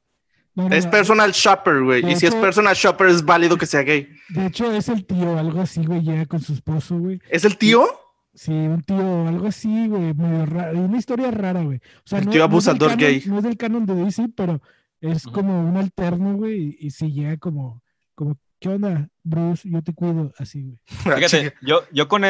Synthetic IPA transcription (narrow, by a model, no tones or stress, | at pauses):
nonespeɾsonalʃapeɾɣwejd̪iiespeɾsonalʃopeɾezβaliðokeseaɣej | d̪eet͡ʃo̞e̞se̞lt̪io̞alɣo̞asiɣwe̞jʝeɣako̞nsuespo̞soɣweje̞s̬e̞lt̪io | siunt̪ioalɣoasiɣwejmeðjoraunaist̪o̞ɾjaraɾaɣwej | osealnoioaβusad̪oɾnɡejnoe̞zðe̞lkano̞nd̪eðisipe̞ɾo̞ | e̞sko̞mo̞unalt̪e̞ɾnoɣwe̞jːsiʝeɣako̞mo | ko̞mo̞ | keond̪abɾusʝo̞t̪̬e̞kwiðo̞asiɣweiaeoʝokone